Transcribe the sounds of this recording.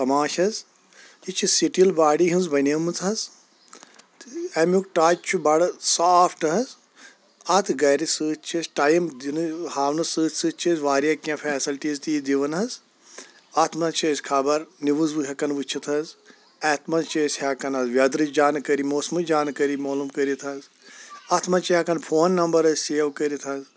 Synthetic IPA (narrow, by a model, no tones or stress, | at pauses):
t̪ɐmaːʃɐz | it͡ʃʰisiʈilbaːɽiɦinzbɐnɐmɨt͡sɦɐz | ɐmʲukʈaːt͡ʃt͡ʃʰubɐɽɐsaːfʰʈɨɦɐz | ɐt̪ʰɨɡɐɾisɨːt͡ʃʰɐsʈaːjmd̪inɨhaːʋnɨsɨːt̪sɨːt͡ʃʰɐzʋaːɾjaːkãfʰɛːsilʈiːzt̪iːd̪iʋɐnɦɐz | ɐt̪ʰmɐnt͡ʃʰesʲkʰaːbɐɾniʋɨzʋɨɦʲɐkɐnʋɨt͡ʃʰit̪ʰɐz | ɛːt̪ʰmɐnt͡ʃʰesʲhɐkɐnɐzʋʲjɐd̪ɾɨd͡ʒaːnkɐɾimoːsmɨd͡ʒaːnkɐɾimoːlumkəɾit̪ʰɐz | ɐt̪ʰmɐnt͡ʃʰiɦɐkɐnpʰoːnːɐmbɐɾɐzseːʋkəɾit̪ʰɐz